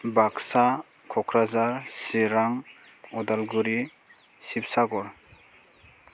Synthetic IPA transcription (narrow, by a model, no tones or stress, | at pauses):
baksa | kʰɔkʰɾazaɾsiɾaŋ | ɔdalɡuɾi | sip̚saɡɔɾ